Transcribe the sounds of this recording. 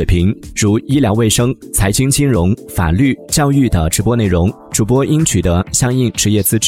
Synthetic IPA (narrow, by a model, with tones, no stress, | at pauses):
e˨˩ɪpʰi˧˥ŋʈ͡ʂu˧˥i˥ljɑ˧˥ʊwe˥˩ɪʂɤ˥ŋ | t͡sʰa˧˥ɪt͡ɕʰi˥ŋt͡ɕʰi˥nɻʊ˧˥ŋfa̰˨˩ly˥˩t͡ɕjɑ˥˧ʊy˥˩d̪ə˩ʈ͡ʂɻ̩˧˥pwɔ˥ne˥˩ɪɻʊ˧˥ŋ | ʈ͡ʂu˨˩p̬wɔ˥ʔi˥ŋt͡ɕʰy˨˩d̪ə˦ɕjɑ˥ŋi˥˩ŋʈ͡ʂɻ̩˧˥jɛ˥˩t͡sɹ̩˥ʈ͡ʂ